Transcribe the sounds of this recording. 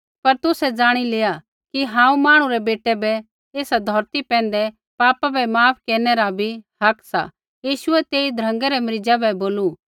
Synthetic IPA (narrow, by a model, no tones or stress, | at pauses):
pɐɾt̪ʊsɛd͡zaːɽ̃ileːa | kiɦãːũmaːɽ̃ũɾɛbeːʈɛbɛ | eːsad̪ʱɔːɾt̪ipɛ̃ːn̆d̪ɛ | paːpabɛmaːpʰkeːɾnɛɾabʱihɐksa̰ | jiːʃʊɛt̪eːid̪ʱɾɐ̃ŋɡɛɾɛmɐɾɪd͡ʒabɛboːlu